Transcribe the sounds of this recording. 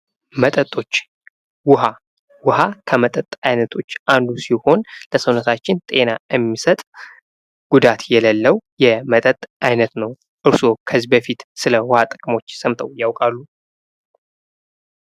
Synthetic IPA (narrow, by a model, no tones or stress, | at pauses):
mət̪ʼət̪ʼo̞t͡ʃː | wʊɦa | wʊɦakʰəmət̪ʼət̪ʼajnət̪ʰo̞t͡ʃːʔand̪usiho̞nləsəwnət̪ʰat͡ʃːɪnt̪ʼe̞naɛmːisət̪ʼ | ɡ̥ud̪at̪jɛləlːəwjɛmət̪ʼət̪ʼajnət̪nəw | ʔɨɾso̞kʰəzbəfit̪sɨləwʊhat̪ʼɨkʼmo̞t͡ʃːsəmt̪ʰəwjawkʼalːu